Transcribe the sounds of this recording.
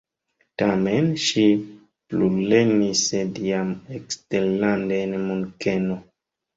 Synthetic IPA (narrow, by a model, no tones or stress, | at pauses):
tamenʃi | plublenisediamekstellandenmuŋkeno